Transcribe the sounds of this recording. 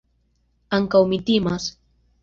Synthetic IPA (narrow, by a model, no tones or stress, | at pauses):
aŋkawmɪt̪imas